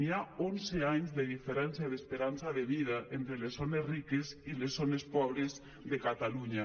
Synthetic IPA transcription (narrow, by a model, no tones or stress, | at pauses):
niaonzeaɲzðeðifeɾɛnsjaiðespeɾansaðeβið̞aʔent̪ɾelesonezrikezilezonespɔβ̞ɾez | ðekat̪aluɲa